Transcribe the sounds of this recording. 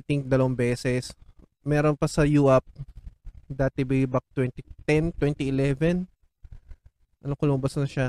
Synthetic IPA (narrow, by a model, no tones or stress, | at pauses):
jt̪iŋk̚d̪ɐlɐwɐŋbɛːsɛs | mɛːɾonpɐsɐjuʔap̚ | d̪aːt̪ɛbibɐk̚t̪wɛnt̪it̪ɛnt̪wɛnt̪iɪlɛvɛn | ʔɐnokɐlʊmbɐsnɐʃa